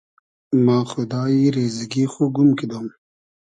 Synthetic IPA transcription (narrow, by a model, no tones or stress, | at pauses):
mãːxʊd̪aːiɾeːzɐɡiːxoɡumkid̪oːm